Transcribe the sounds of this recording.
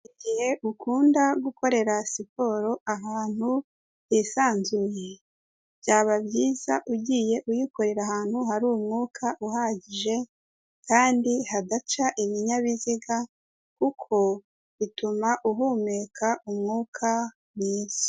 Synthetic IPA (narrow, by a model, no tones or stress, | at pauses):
iɟihe̞ʔukʰuːndaɡuko̞ɾe̞ɾasipo̞ːɾo̞ʔaɦaːn̥hu | jisaːnzuje̞ | bjaːβabjiːzaʔuɟiːje̞ʔujiko̞ɾe̞ɾaɦaːn̥huɦaɾuːumŋuːkʰaʔuɦaːɟiʒe̞ | kʰaːndihadat͡ʃaʔiβiɲaβiziɡa | kukʰo̞ | βitumaʔuɦumekʰaʔumŋuːkʰa | miːz̥o̥